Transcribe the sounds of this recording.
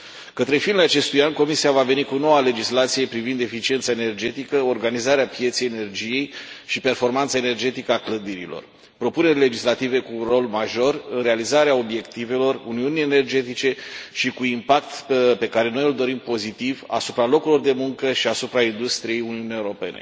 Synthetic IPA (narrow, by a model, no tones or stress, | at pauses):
kət̪ɾe̞finat͡ʃe̞st̪ujanko̞misiavave̞nikuno̞wale̞d͡ʒislat̪sije̞pɾivind̪e̞fit͡ʃie̞nt̪sae̞ne̞rd͡ʒe̞t̪ikəo̞rɡanizaɾeapje̞t̪sejene̞rd͡ʒije̞jʃipe̞rfo̞rmant̪səaene̞rd͡ʒe̞t̪ikəakləd̪iɾḭlo̞̰r | pɾo̞pune̞rʲle̞d͡ʒislat̪ive̞kuːnro̞lmaʒo̞rɨnɾealizaɾeao̞bje̞kt̪ive̞lo̞runiunijene̞rd͡ʒe̞t̪it͡ʃe̞ʃikuimpak̚t̪pe̞kaɾe̞no̞jɨld̪o̞ɾimpo̞zit̪iva̰supɾalo̞kulo̞rd̪e̞muŋkəʃiasupɾaind̪ust̪ɾije̞juniunijewuɾo̞pe̞ne̞̰